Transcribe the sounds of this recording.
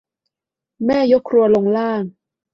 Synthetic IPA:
mɛː˥˩jo˦˥kʰɾu˧ɐlo˧ŋlaː˥˩ŋ

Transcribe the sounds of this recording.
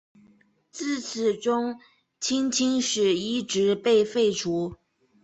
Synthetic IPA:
t͡sɹ̩˥˩t͡sʰɹ̩˨˩ʈ͡ʂʊ˥ŋ | t͡ɕʰi˥ŋt͡ɕʰi˥ŋʂɻ̩˨˩i˥˩ʈ͡ʂɻ̩˧˥pe˥˧ɪfe˥˩ɪʈ͡ʂʰu˧˥

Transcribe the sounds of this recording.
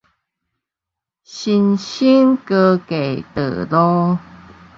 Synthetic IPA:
ɕi˧nɕi˦nkə˧ke˨˩jt̪ə̰˨˩lɔ˦

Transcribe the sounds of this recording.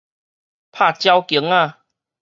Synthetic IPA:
pʰa˥˧˩t͡ɕja˧wkjə˨˩˦ŋa˧

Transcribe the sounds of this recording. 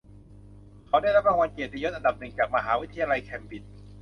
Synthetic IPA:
kʰa˩˦daː˥˩jɾa˦˥p̚ɾa˧ŋwa˧nke˨˩t̪̚ɾa˧jo˦˥t̪ʔa˧nda˨˩p̚nɯ˨˩ŋt͡ɕaː˨˩k̚ma˧ɦaː˩˦wi˦˥t̪ʰːa˧jaː˧la˧jkʰɛ˧mbi˨˩n̚

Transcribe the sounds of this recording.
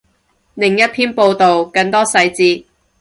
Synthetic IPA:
lɪ˨˩ŋjɐ˥t̚t̪ʰiː˥npo˧wt̪o˨wkɐ˧ŋt̪ɔː˥sɐ˧jt͡siː˧

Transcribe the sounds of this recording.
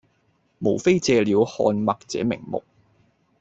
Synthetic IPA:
mo˨˩wfe˥jt͡sɛː˧liː˨˧˥whɔ̰ː˧nmɐ˨k̚t͡sɛː˨˥mɪ̰˨˩ŋmʊ̰˨k̚

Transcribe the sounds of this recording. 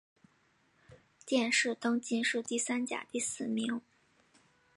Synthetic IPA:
t̪jɛ˥˧nʂɻ̩˥˩t̪ɤ˥ŋt͡ɕi˥nʂɻ̩˥˧t̪i˥˩sa˥nt͡ɕja̰˨˩t̪i˥˩sɹ̩˨˩mi˧˥ŋ

